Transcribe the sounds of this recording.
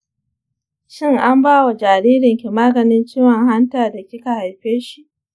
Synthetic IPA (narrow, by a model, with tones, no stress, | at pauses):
ʃɪ˦˨ŋʔa˦mbaː˦wa˨d͡ʒaː˨ɾiː˦ɾɪ˨ŋkʲi˨maː˦ɡɐ˨nɪ˦nt͡ʃiː˦wɔ˨ŋɦa˦ntaː˨da˨kʲɪ˦ka˨ha˨jɸeː˦ʃi˦˨ʔ